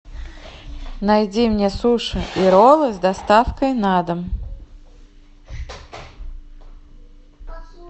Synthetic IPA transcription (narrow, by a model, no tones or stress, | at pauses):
najd͡zʲimnʲɛsuʂɨiɾɔlˠɨzʲd̪ast̪afkɐjnad̪ɐm